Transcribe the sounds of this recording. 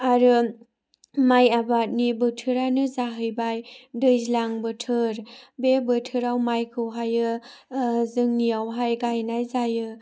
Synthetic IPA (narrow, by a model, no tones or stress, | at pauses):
aɾɯ | majabat̚nibɯtʰɯɾanɯzaɦɯjbajdɯjzlaŋbɯtʰɯɾbebɯtʰɯɾawmajkʰɯwɦajɯ | zɯŋniawɦajɡajnajzajɯ